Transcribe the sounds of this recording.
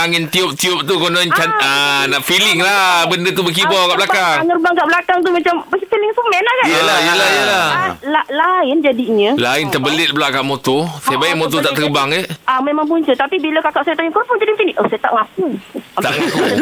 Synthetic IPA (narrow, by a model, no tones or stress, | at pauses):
aŋint̪iʊp̚t̪iʊp̚t̪ukonɔ̃nt͡ʃaanaʔfilɪŋlahbəndət̪ubək̬ibɔkaʔblakaŋŋərbaŋkaʔbəlakaŋt̪̬umat͡ʃambəfilɪŋsumɛnlakaʔajəlahjəlalalaɪnd͡ʒadiɲə̃laɪnt̪əbəlɪt̪̚bəlaʔkaʔmot̪osajabajaʔmot̪ot̪aʔt̪ərbaŋəʔamẽmãŋp̬uɲt͡ʃət̪apibiləkakaʔsajat̪aɲuŋkəpuŋd͡ʒadit͡ʃiniʔosajat̪a̰ʔŋak̚uat̪aŋaku